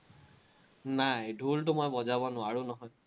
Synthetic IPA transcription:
najdʱulʈʊmɔjbɔzabɔnʊaɹunɔɦɔj

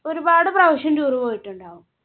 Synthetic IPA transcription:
oɾubaːɽɨprɐʋɐɕɐmd͡ʑuːrupoːjiʈːuɳɖaːʋum

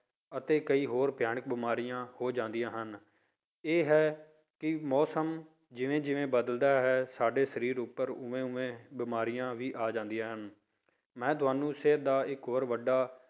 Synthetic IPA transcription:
ət̪eːkəiːɦoːɾpjaːɳ̃ək̚bɪmaːɾiːjãːhoːd͡ʒãːnd̪ijãːɦən | eːɦɛː | kɪmɔːsəm | d͡ʒɪʋẽːd͡ʒɪʋẽːbəd̪əld̪aːɦɛːsaːɖeːsəɾiːɾʊpːəɾʊʋẽːʊʋẽːbɪmaːɾijãːʋiːʔaːd͡ʒãːnd̪ijãːɦən | mɛ̃ːt̪ʊaːnũːsɪd̪aːɪkɦoːɾʋəɖːaː

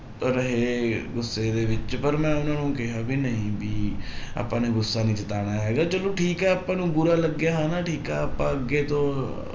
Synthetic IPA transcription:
ɾəɦeːɡʊsːeːd̪eːʋɪt͡ʃpəɾmɛ̃ːʊnãːnũːkɪɦaːbiːnəĩːbiːa̰ːpːãːneːɡʊsːaːnĩːt͡ʃət̪aːɽ̃aːɦɛːɡaːt͡ʃəlõːʈʰiːkɦɛːaːpãːnũːbʊɾaːləɡjaːɦaːnaːʈʰiːkɛːaːpãːəɡːeːt̪õː

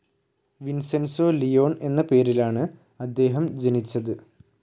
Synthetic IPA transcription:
ʋinsensoːlijo̞ːɳe̞nːɐpe̞ːɾilaːɳɨ | ɐd̪ːe̞ːɦɐmd͡ʑenit͡ɕːɐðɨ

